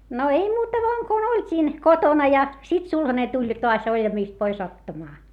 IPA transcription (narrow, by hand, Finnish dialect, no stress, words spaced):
no ei muːtɑ ʋoɑŋ kun olʲtʲiːn kotonɑ jɑ sit sulhɑne tulʲ toɑs olʲjɑmiˑst pois otːɑmɑː